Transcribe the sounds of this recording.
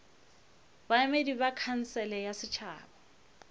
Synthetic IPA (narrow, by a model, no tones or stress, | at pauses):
baamedibakʰan̩sɛlɛjasɪt͡ʃʰa̰ːbɔ